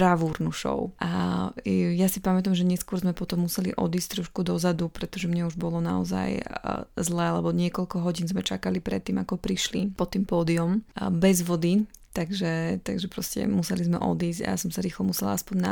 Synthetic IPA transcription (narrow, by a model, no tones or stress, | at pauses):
ɾaʋuːɾnuʃɔ̰ʊʔa | jasipamɛt̪amʒɛɲɛskʊɔɾzmɛpɔt̪ɔmːusɛlḭʔɔ̰d̪iːsct̪ɾɔʃkud̪ɔzad̪upɾɛt̪ɔʒɛmɲɛuʒbɔlɔna̰ɔ̰za̰jzlɛalɛbɔɲɪɛkɔlkɔɦɔɟiːnzmɛt͡ʃakalipɾɛ̰t̪ːiːmakɔpɾiʃlḭpɔt̪ːiːmpɔːd̪iɔmbɛzʋɔd̪it̪aɡʒɛt̪aɡʒɛpɾɔscɛ̰musɛlizmɛ̰ʔɔ̰d̪iːsɟa̰ja̰sɔmsaɾiːxlɛmusɛla̰aspɔɲna